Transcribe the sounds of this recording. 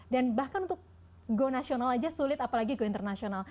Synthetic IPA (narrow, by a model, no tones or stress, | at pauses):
danbahkanunt̪ʊk̚ | ɡonasionalad͡ʒasulɪt̪apalaɡiɡoint̪ərnasional